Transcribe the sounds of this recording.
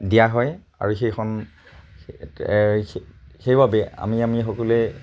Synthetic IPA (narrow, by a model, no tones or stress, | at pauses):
dijaɦɔj | a̰ɹuxejxʰɔn | xejbʱabɛa̰miamixɔkulɛ